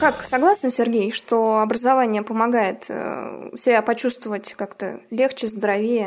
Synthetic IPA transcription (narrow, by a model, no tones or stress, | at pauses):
kaksɐɡlˠasnəsʲɪrɡʲejʂt̪oɐbɾəzɐvanʲɪjəpəmɐɡajɪt̪ | sʲɪbʲapɐt͡ɕust̪vəvətʲkakt̪ə̰lʲext͡ɕɪzd̪əɾɐvʲejə